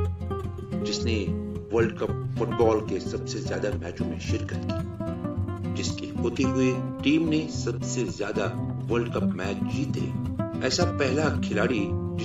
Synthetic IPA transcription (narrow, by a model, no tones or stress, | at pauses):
d͡ʒɪsneʋɐlɖkɐp̚fʊʈbɔːlkesɐbsezjaːd̪amɛːt͡ʃõmḛ̃ʃɪɾkət̪kia | d͡ʒɪskexoːt̪eɦʊeʈiːmnesɐbsezjaːd̪aʋɐɾɖkɐpmɛːt͡ʃd͡ʒiːt̪ɦḛːɛːsapɛɦlakʰɪlaːɽid͡ʒɪ